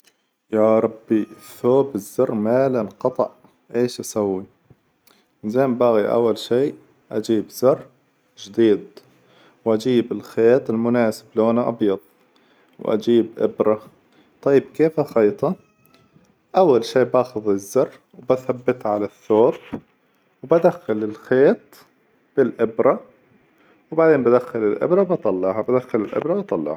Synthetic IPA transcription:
jaːɾˤɑbːiθoːbɪzːɑrˤːmaːlalqɑt̪ˤɑ̰ʔ | ʔeːʃʔasawːi | zeːmbaːɣiʔa̰wːalʃiː | ʔad͡ʒiːbzɑrˤː | d͡ʒd̪iːd̪ | wʔad͡ʒiːbɪlxeːt̪ˤɪlmʊnaːsɪ̥bloːnaʔɑ̰bjɑd̪̚ˤ | wʔa̰d͡ʒiːbʔɪ̰bɾˤɑ | t̪ˤɑjːɪb̚keːfaxɑjt̪ˤɑ | ʔawːalʃiːbaːxʊðˤɪzːɑrˤː | wbaθabːɪt̪ʕalaθːoːb | wbad̪axːalɪlxeːt̪̚ | b̥ɪlʔɪbɾa | wbaʕd̪eːnmbad̪axːalɪlʔɪ̰bɾˤɑwbɑt̪ˤɑlːɑʕhabad̪axːalɪlʔɪ̰bɾˤɑbɑt̪ˤɑlːɑ̰ʕha

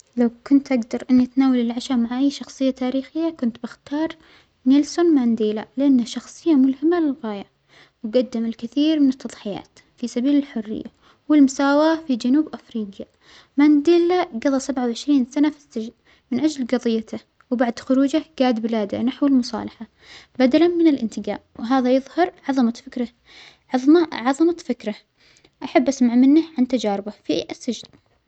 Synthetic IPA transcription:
lawkʊnt̪ʔaɡd̪ɑɾˤʔɪnːit̪naːwalɪlʕaʃamaʕʔajːʃɑxsˤɨjːat̪aːɾiːxɪjːakʊnt̪bɪxt̪ɑːɾˤ | nɪlsʊnmand̪eːlalɪʔanːaʃɑxsˤɨjːamʊlhɪmalɪlɣaːja | wɡad̪ːɪmɪlkɪθiːɾmɪnɨt̪ʰːɑðˤħɪja̰ːt̪ | fisabiːlɪlħʊrːɪ̰jːa̰ | wɪlmʊsaːwafid͡ʒanuːbʔafɾiːɡja | maːnd̪eːlaɡɑðˤɑsabʕawʕɪʃɾiːnsanafi̥sːad͡ʒl | mɪnʔad͡ʒlɡɑðˤɨjːat̪ʰa | wbaʕd̪xʊɾuːd͡ʒaɡaːd̪bɪlaːd̪a̰naħwɪlmʊsˤɑ̰ːlɑħa | bad̪alanmɪnɪlʔɪ̰nt̪ɪɡa̰ːʔwɪɦaːðajɨðˤhɑɾˤʕɑðˤɑmafɪkɾˤɑ | ʕɑðˤʕɑðˤɑmafɪkɾa | ʔaħabːʔasmaʕmɪnːahʕant̪ad͡ʒaːɾɪbafiʔʔasːad͡ʒɪl

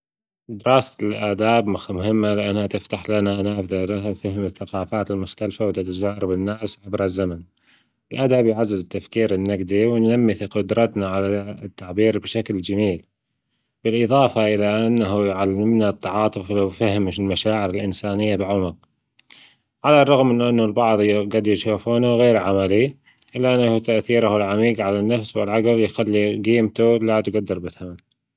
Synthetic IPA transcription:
d̪ɪɾˤɑːsalʔaːd̪aːbmʊxmʊɦɪmːalɪʔanhat̪ɪft̪aħlanaʔnafd̪alaafahɪmɪθːaqɑːfaːt̪ɪlmʊxt̪alfawt̪at̪ad͡ʒaːɾˤɪbɪnːaːsʕabɾˤazːaman | ɪlʔaːd̪aːbjʕazːɪzɪt̪ːafkiːɾɪnːaɡd̪iwɪnːamːiθqʊd̪ɾˤɑt̪naʕalat̪ːaʕbiːɾbɪʃakld͡ʒamiːl | b̥ɪlʔɨðˤɑːfɑʔɪlaʔɪnːaɦujʕalːɪmnat̪ːɑʕɑːt̪ˤɨflawfahmʃɪlmaʃaːʕɪɾɪlʔɪnsaːnɪjːabɪʕʊmʊq | ʕalarˤːɑɣmʔɪnːʔɪnːʊlbɑʕðˤjɡad̪jʃaːfuːnaɣeːɾʕamali | ʔɪlːʔanːahut̪aʔθiːɾahɪlʕamiːɡʕalanːafswɪlʕaɡljxalːiɡiːmt̪ulad̪ɡad̪ːɪɾˤbɪθaman

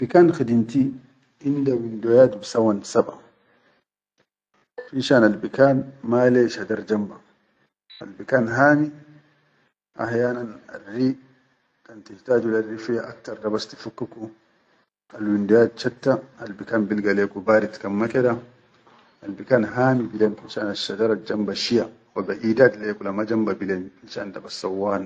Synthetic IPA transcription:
abikaːnxid̪int̪i | ʔindawindojaːt̪bisawansaba̰ | fiʃaːnalbikaːnmaleːʃhad̪aɾd͡ʒamba | a̰lbikaːnɦaːni | ʔa̰ħjaːnana̰rːi | tantihtaːd͡ʒularːifijaʔa̰k̚taɾdabasti̥fukːuku | alwindijad̚t͡ʃatːaalbikaːnbilɡalɛkubaːɾitkamːakɛda | albikaːnɦaːmibilɛnkit͡ʃaʔnaʃadaɾad͡ʒambaʃija | wabaʔiːdadlɛkulamad͡ʒambabilɛnit͡ʃaandabasːawːaːn

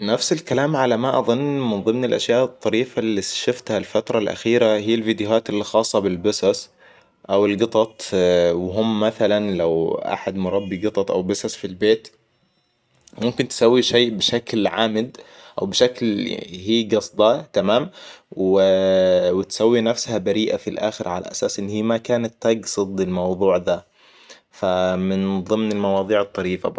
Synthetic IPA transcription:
nafsɪlkalaːmʕalamaʔɑðˤʊnːmɪnðˤɨmnɪlʔa̰ʃjaːʔt̪ˤːɑɾiːfalːiʃʊft̪halfat̪ɾˤɑlʔa̰xiːɾahiːɪlviːd̪ɪjʊɦaːt̪ɪlːixɑːsˤːɑbɪlbɪsɑs | ʔawɪlɡɨt̪ˤɑt̪ˤwɪɦʊmːaθalanlawʔa̰ħad̪mʊɾˤɑbːiɡɨt̪ˤɑt̪ˤʔa̰wbɪsɑsfilbeːt̪ | mʊmkɪnt̪ɪ̥sawːiʃeːʔbɪʃaklʕaːmɪd̪ʔa̰wbɪʃaklhiːɡɑsˤd̪ˤɑt̪amaːmwɪwɪt̪sawːinafshabaɾiːʔafilʔaːxɪɾʕa̰la̰ʔa̰saːsʔɪnːhiːmakaːnat̪ːɑɡsˤɨd̪ˤɪlmɑwðˤuːʕd̪a | famɪnðˤɨmnɪlmɑwɑːðˤiːʕɨt̪ˤːɑɾiːfa̰b

